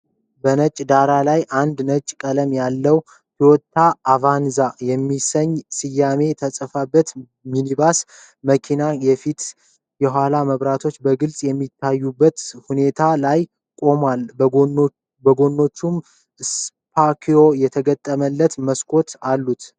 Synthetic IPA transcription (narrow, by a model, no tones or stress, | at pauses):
bənət͡ʃʼːd̪aɾalajʔand̪nət͡ʃʼkʼələmjalːəw | hiwɔt̪ʰːaːvanzajɛmːisəɲːsɨjːame̞t̪ʰəsʼəfabːət̪ | minibas | məkʰinajɛfit̪ | jɛɦʷalaməβɾat̪ʰo̞t͡ʃːbəɡɨlsʼjɛmːit̪ʰːajːubːət̪hune̞t̪ʰalaj | kʼo̞mal | bəɡo̞nːo̞t͡ʃːum | s | pʰakʰio̞jɛt̪ʰəɡət̪ʼːəməlːət̪məskʰʼo̞t̪alːut̪